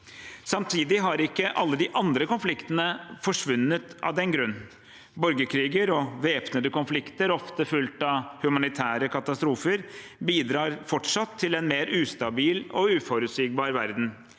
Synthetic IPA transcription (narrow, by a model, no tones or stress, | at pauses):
sɑmt̪ʰiːd̪ɪɦɑɾɪkːəʔɑlːəd̪ɪʔɑnd̪ɾəkʊnflɪkt̪ənəfɔʂʋʉnːət̪ʔɑ̰ʋd̪ɛnɡɾʉnː | bɔɾɡəkʰɾiːɡəɾɔʋeːpnəd̪əkʊnflɪkt̪əɾɔft̪əfʉlt̪ɑhʉmɑnɪt̪ʰæːɾəkɑt̪ɑst̪ɾuːfəɾbiːd̪ɾɑːɾfɔʈʂɑt̪ʰːɪlɛnmeːɾʉːst̪ɑbiːlɔʉːfɔɾʉt̪syːɡ̚bɑːɾʋæɾd̪n̩